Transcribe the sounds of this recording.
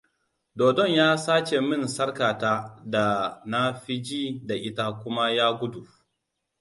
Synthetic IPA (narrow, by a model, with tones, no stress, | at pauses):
doː˨dɔ˦˨ɲjaː˦saː˦t͡ʃe˨mɪ˦˨nsɐ˦rkaː˨taː˦da˨na˦ɸi˦d͡ʒiː˦da˨ʔɪ˦ta˦kʷʊ˦ma˦jaː˦ɡʷʊ˦du˨